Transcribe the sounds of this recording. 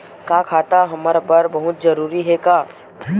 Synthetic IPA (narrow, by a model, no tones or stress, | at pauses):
kaːkʰaːt̪aɦɐməɾbɐɾbɐɦʊt̪zɐɾuːɾiɦɛkaː